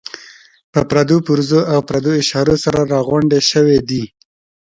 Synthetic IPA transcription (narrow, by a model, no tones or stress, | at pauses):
pəpɾad̪opuɾzoʔawpɾad̪oɪʃɑɾosaɾaɾɑɣwaɳɖeʃəwed̪i